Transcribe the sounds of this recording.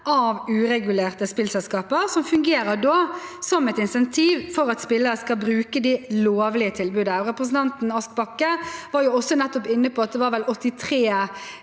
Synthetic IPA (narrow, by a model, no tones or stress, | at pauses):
ɑʋʉːɾɛɡʉleːʁt̪əspɪlsɛlskɑːpəɾsɔmfʉŋɡeːɾəd̪oːsɔmɛt̪ɪnsɛnt̪ʰiːʋfɔɾɑt̪spɪlːəɾəskɑlbɾʉːkəd̪iloːʋlɪət̪ʰɪlbʉːd̪əʁɛpɾəs̬n̩t̪ɑnt̪n̩ɑsk̚bɑkːəʋɑːɾjʊɔsːɔnɛt̪ːɔpɪnːəpʰɔɑt̪̚d̪ɛʋɑːɾʋɛlɔt̪ːɪt̪ʰʁeː